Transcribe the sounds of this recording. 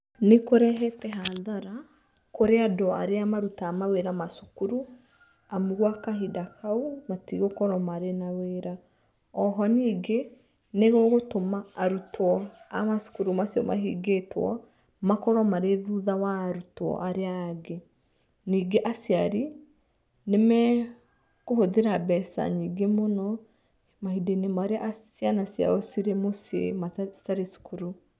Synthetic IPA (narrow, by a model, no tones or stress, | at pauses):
nekoɾɛɦɛtɛɦaðaɾa | koɾeadɔa̰ɾeamaɾutaːmaweɾamasu̥kuɾu | amuɣwakahidakaumatiɣokɔɾɔmaɾenaweːɾa | ɔɦɔniːɡe | neɣoɣotomaːɾutɔamasu̥kuɾumasiɔma̰ɦḭɡetwɔ̰ | makɔɾɔmaɾeðuðawaːɾutwɔ̰ʔaɾeaːɡe | niːɡeʔasjaɾi | nemɛ | kohoðeɾabɛsa̰ɲiːɡemonɔ | mahidenemaɾeaʔsjanasja̰ɔsiɾemosḛmasaɾesu̥kuɾu